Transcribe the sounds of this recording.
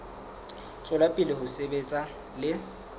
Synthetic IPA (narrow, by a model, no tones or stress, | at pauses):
t͡sʼʊlapʼɪlɪɦʊsebet͡sʼa | lɪ